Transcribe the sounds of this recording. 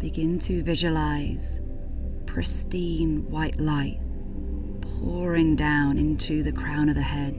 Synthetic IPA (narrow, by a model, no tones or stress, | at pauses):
b̥ɨɡɪ̃ntʰɨvɪʒəlaɪz̥ | pʰɹ̥ɪstĩnwaɪʔlaɪt̚ | pʰɔɹɪ̃ŋdãʊ̃nɪ̃ntʰʉðɨkʰɹ̥ãʊ̃ñʌvðɨhɛd̥̚